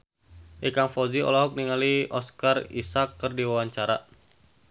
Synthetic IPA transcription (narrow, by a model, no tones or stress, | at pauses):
ʔɛkaŋfɔziɔ̰lɔɦɔk̚niŋaliɔskarḭsakːərdiwawaɲt͡ʃaɾa̰